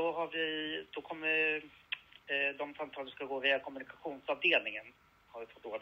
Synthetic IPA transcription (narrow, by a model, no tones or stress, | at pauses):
ɔɦaɾvɪd̪̥ɔkʰɔmːə | d̪ɔmsamt̪ʰɑːləsɔskaɡoːveːakʰɔmɵnɪkaɧuːnsɑvd̪eːlnɪŋən | haɾvɪfɔt̪oːd̪